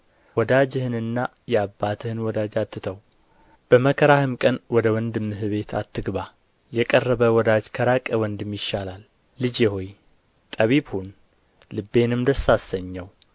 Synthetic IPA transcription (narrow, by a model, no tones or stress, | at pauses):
wɔd̪ad͡ʒɪhɨnɨnːa | jɛabːat̪ʰɨhɨnwɔd̪ad͡ʒat̪ːɨt̪ʰəw | b̥əməkʰəɾahɨmkʼənwɔd̪əwɔnd̪ɨmːɨɦɨβe̞t̪ʰa̰t̪ʰːɨɡβa | jɛkʼərːəβəwɔd̪ad͡ʒkʰəɾakʼəwɔnd̪ɨmjɪʃːalalː | ɨd͡ʒjɛho̞j | t̪ʼəβibhun | lɨbːe̞nɨmd̪əsasːəɲːəw